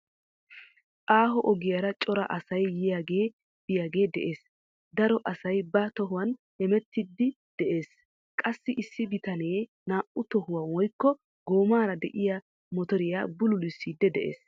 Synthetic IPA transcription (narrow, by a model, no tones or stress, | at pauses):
ʔaːɦɔʔɔɡɪjaɾɐt͡ʃʼɔɾɐ̰ʔɐsɐjjɪjaɡe̞ː | b̥ɪjaːɡe̞ːd̪ɛʔe̞ːs | d̪ɐɾɔʔɐsɐjbɐt̪ɔɦʊwɐn | hɛmɛt̪ːɪd̪ːɪ | d̪̥ɛʔe̞ːs | kʼɐsːɪʔɪsːɪbɪt̪ɐneː | naːʔʊt̪ɔhʊwɐnwɔjkːɔ | ɡo̞ːmaːɾɐd̪ɛʔɪjɐ | mɔt̪ɔɾɪjaːbʊlʊlɪsːiːd̪ːɛd̪ɛʔe̞̰ːs